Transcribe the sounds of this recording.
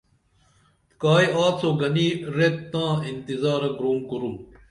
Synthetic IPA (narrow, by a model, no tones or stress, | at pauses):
kaːjaːsoːɡɐniːɾet̪t̪ːãːint̪izaːɾɐɡɾoːŋkuɾum